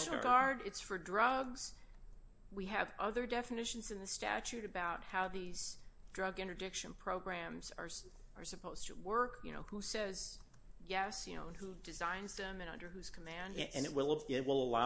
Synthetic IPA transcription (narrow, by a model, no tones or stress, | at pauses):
nl̩ɡɑɹɾɨtsfə˞dɹʌɡz̥ | wiɨvʌðə˞dɛfɨnɪʃɨ̃n̩zɨ̃nðɨstæ̰t͡ʃʉɾɨbaʊt̚haʊðiz̥dɹʌɡɪ̃ñədɪkʃɨ̃npʰɹ̥oʊɡɹæ̃mz̥ə̰˞ | ʔə̰˞sɨpʰoʊz̥tʰɨ̰wɜ˞kjɨ̰ño̰ʊhusɛz̥ | jɛsjɨno̰ʊə̃nhudɨzãɪ̃nzðɨ̃mɨ̃nʌ̰̃ndə˞hʉz̥kʰəmæ̃ndɨ̃nɪwɪlˠt̚wɪlˠəla